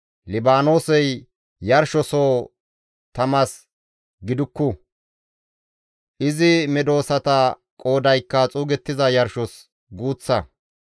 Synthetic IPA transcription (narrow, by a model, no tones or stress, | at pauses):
lɪbaːno̞ːsɛj | jɐɾʃɔsoː | t̪ɐmɐs | ɡɪd̪ʊkːʊ | ʔɪzɪmɛd̪o̞ːsɐt̪ɐ | kʼo̞ːd̪ɐjkːɐt͡sʼuːɡɛt̪ːɪzɐjɐɾʃɔs | ɡuːt͡sːɐ